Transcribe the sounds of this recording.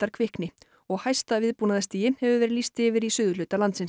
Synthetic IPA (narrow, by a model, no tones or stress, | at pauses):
t̪aɾ̥kʰvɪhknɪ | ɔɣhajst̪avɪðpuːnaðast̪iːjɪhɛvʏvɛːɾɪliːst̪ɪːvɪɾisʏːðʏlʏːt̪alant̪sɪn